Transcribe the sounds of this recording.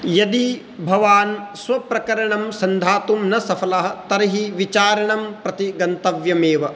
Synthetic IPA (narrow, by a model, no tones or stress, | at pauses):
jɐd̪i | bʱɐʋaːnsʋɐpɾɐkɐɾɐɳɐmsɐnd̪ʱaːt̪umnɐsɐfɐlɐɦɐ̆t̪ɐɾɐɦiʋit͡ʃaːɾɐɳɐmpɾɐt̪iɡɐnt̪ɐʋjɐmeːʋɐ